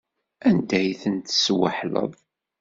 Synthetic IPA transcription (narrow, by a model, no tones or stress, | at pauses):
ænd̪æjθənt̪swə̰ħlə̰ðˤ